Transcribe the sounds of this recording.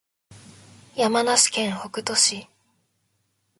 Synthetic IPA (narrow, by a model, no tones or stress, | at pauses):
jamanaɕi̥kẽ̞ɰ̃ho̞kɯ̟t̪o̞ɕi